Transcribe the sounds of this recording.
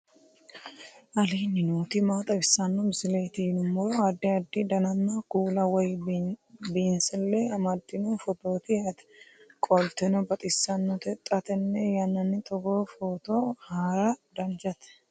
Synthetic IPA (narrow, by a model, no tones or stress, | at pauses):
ʔɐliːnːɪnuːt̪ɪmaːt̪ʼɐbɪsːɐnːɔbɪsɪleːt̪ɪɪnʊmːɔɾɔɐd̪ːɪɐd̪ːɪd̪ɐnɐnːakuːlɐwɔj | binsɪlːɛɐmɐd̪ːɪnufɔt̪oːt̪ɪɐt̪ɛ̥kʼɔlt̪ɛnɔbɐt̪ʼɪsːɐnːɔt̪ɛt̪ʼɐt̪ɛnːɛjɐnːɐnːɪt̪ʼɔɡoːfoːt̪ohaːɾɐd̪ɐnd͡ʒɐt̪ɛ̥